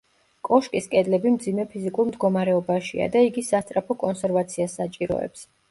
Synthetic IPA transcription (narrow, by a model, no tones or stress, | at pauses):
kʼɔʃkʼiskʼɛd̪lɛbimd̪zimɛpʰizikʼuɾmd̪ɡɔmaɾɛɔbaʃia̰d̪aiɡisast̪ʼɾapʰɔkʼɔnsɛɾvat̪sʰiasːat͡ʃʼiɾɔ̰ɛ̰ps